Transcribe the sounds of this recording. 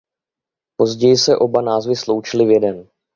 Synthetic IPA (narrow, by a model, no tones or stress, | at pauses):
po̞zɟɛjɪsɛʔo̞banaːzvɪslo̞wt͡ʃɪlɪvjɛdɛn